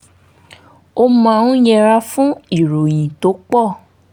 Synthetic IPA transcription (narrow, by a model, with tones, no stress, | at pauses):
o˧mã˦˧ũ˦jɛ˧ɾa˧fũ˦i˦˨ɾo˨j̃ĩ˨to˨˦k͡pɔ˦˨